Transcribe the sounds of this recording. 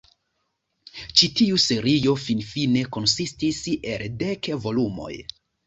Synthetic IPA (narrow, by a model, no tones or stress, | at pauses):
t͡ʃitiuse̞ɾijo̞finfine̞ko̞nsistise̞lde̞kvo̞lumo̞̰j